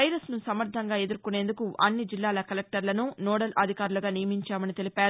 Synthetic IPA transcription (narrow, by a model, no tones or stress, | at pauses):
ɐjɾɐsnusɐmɐɾd̪ʱɐŋɡaːe̞d̪uɾkune̞ːnd̪ukuʔɐ̰nːid͡ʒilːaːlɐkɐlek̚ʈɐɾlɐnunɔːɽɐlʔɐd̪ʱikaːɾulɐɡaːnijɐmiɲt͡ʃaːmɐnit̪e̞lipaːɾu